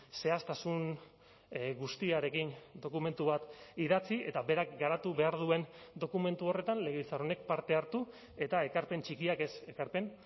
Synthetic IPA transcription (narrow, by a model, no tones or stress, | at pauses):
se̞ast̪asun | ɡust̪iaɾe̞kind̪o̞kume̞nt̪uβat̪iðat͡sie̞t̪aβe̞ɾakɡaɾat̪uβe̞aɾðue̞nd̪o̞kume̞nt̪uo̞re̞t̪anle̞ɣe̞ilt͡sarone̞k̚paɾt̪e̞aɾt̪u | e̞t̪ae̞kaɾpe̞nt͡ʃikiake̞se̞kaɾpe̞n